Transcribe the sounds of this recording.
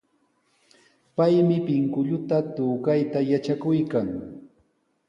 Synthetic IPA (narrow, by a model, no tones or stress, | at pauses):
pajmɪpɪŋkʊʎʊt̪at̪ʊːkajt̪ajat͡ʃakʊjkaŋ